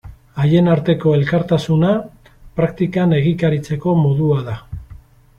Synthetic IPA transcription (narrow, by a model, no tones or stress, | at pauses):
aje̞naɾt̪e̞ko̞e̞lkaɾt̪asuna | pɾakt̪ikane̞ɣikaɾit͡se̞ko̞mo̞ðuaða